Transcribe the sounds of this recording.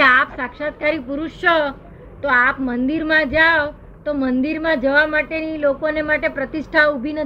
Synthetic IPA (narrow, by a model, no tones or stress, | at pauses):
eapsakʃat̪̚kaɾipuɾuʃt͡ʃo | t̪oapmənd̪iɾmãd͡ʒaʋ | t̪omənd̪iɾmãd͡ʒəʋamaʈenilokonemaʈepɾət̪iʃʈʰaubʱinə